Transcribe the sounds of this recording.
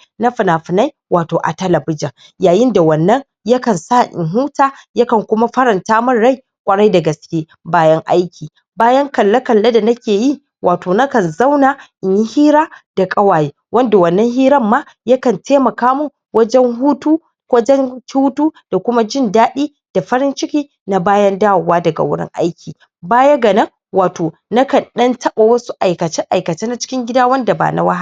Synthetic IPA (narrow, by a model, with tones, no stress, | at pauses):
nɐ˦ɸɪ˨naː˨ɸɪ˨na˦j | wʔaː˨toː˨ʔa̰˨tɐ˦lɐ˨bɪ˦d͡ʒɐ˨ŋ | jaː˨jɪ˦nda˨wɐ˨nːɐ˦ŋ | jɐ˦kɐ˨nsaː˦˨ʔɪ̰˨ŋɦuː˦taː˦jɐ˦kɐ˨ŋkʷʊ˦ma˦ɸɐ˦ɾɐ˨ntaː˦mɐ˦nɽa˦˨j | kʷʼɐ˨ɽɐ˦jda˨ɡɐ˨skʲeː˦ | baː˦jɐ˦ŋʔa˦jkʲiː˨ | baː˦jɐ˦ŋkɐ˨lːa˦kɐ˨lːa˦da˨nɐ˦kʲeː˨ji˦ | wʔaː˨toː˨na˦kɐ˨nza˦wnaː˨ʔɪ˨ɲji˦hiː˦ɾaː˦d̥a˨kʼɐ˦waː˨jeː˦wɐ˦nda˨wɐ˦˨nːɐ˦ŋhiː˦ɾɐ˦mːaː˦ | jɐ˦kɐ˨ntʰeː˦mɐ˨kaː˦mu˦˨ | wɐ˦d͡ʒɛ˦ŋɦuː˦tuː˦ | wɐ˦d͡ʒɛ˦ŋkʲu˦tuː˦d̥a˨kʷʊ˦ma˦d͡ʒɪ˦˨ndaː˦ɗiː˦ | d̥a˨ɸɐ˦ɾɪ˦nt͡ʃɪ˦kʲiː˦ | na˦baː˦jɐ˦ndaː˦wʊ˨waː˦dɐ˨ɡa̰˨wʊ˦ɽɪ̰˦ŋʔa̰˦jkʲiː˨ | baː˦ja˦ɡɐ˨nɐ˦ŋ | waː˨toː˨nɐ˦kɐ˨nɗɐ˦ntʰɐ˦ɓa˨wɐ˦su˦ʔa˨jkɐ˨t͡ʃɪ˦ŋʔa˨jkɐ˨t͡ʃeː˦na˨t͡ʃɪ̥˦kʲɪ˦ŋɡʲɪ˦daː˦wɐ˦nda˨ba̰ː˨na̰˦wa˦ha˦˨